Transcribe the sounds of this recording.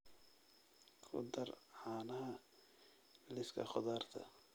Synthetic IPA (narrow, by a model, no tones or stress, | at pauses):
χʊ̰d̪ɐrʕaːnɐɦɐ | lɪskʰɐ̰χɔðaːrt̪ʰɐ̰